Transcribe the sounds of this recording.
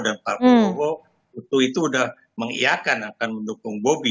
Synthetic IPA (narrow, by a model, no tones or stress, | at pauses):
danparkaoɦo | ut̪uit̪uːdah | məŋḭakanakanməndukʊŋbobi